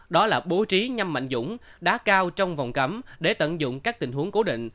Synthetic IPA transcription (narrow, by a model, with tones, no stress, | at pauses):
ɗɔ˨˦laː˨˩ɓo˨˦t͡ɕi˨˦ɲa˧mːa̰˧˨jŋ̟zʊ̰˧˥ŋ͡mɗa̰ː˨˦˥kaː˧wt͡ɕɔ˧wŋ͡mvɔ˨˩wŋ͡mkə˨˦mɗe˧˩t̪ə̰˧˨nzʊ̰˧˨ŋ͡mkaː˦˥k̚t̪ï˨˩ŋ̟hɦu˨˦əŋko˨˦ɗḭ˧˨ŋ̟